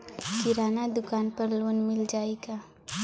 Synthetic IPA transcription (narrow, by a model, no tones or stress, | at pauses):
kɪɾaːnad̪ʊkaːnpɐɾloːnmɪld͡ʒaːeɡaː